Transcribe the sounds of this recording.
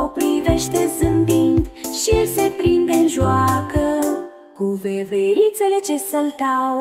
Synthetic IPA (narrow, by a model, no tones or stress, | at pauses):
opɾiveʃt̪ezɨmbind̪ʃisepɾind̪enʒuakə | kuveveit̪sele̞t͡ʃesəlt̪aw